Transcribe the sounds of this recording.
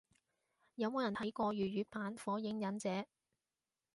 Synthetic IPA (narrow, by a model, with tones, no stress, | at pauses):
jɐ˨˧wmo˨˧jɐ˨˩ntʰɐ˨˥jkɔː˧ɥyː˨ɥyː˨˧paː˨˥nfɔː˨˥jɪ˨˥ŋjɐ˨˥nt͡sɛː˨˥